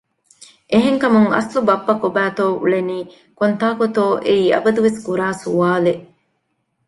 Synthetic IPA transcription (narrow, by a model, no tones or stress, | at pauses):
ʔeɦeŋkɐmuŋɐ̰slubɐpːɐkobæːt̪oːʔṵɭeniː | kont̪aːkot̪oːʔeiːɐ̰bɐd̪uʋeskuɾaːsuʋaːleʔ